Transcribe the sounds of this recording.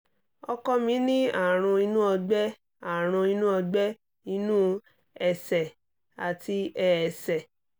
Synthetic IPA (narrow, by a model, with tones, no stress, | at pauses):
ɔ˧kɔ˧mĩ˧˦nĩ˦a˦˨ɾ̃ũ˧i˧nũ˦ɔ˧ɡ͡bɛ˦ | a˦˨ɾ̃ũ˧i˧nũ˦ɔ˧ɡ͡bɛ˦ | i˧nũ˦ | ɛ˨sɛ˨ | a˨ti˧ɛ˨ɛ˨sɛ˨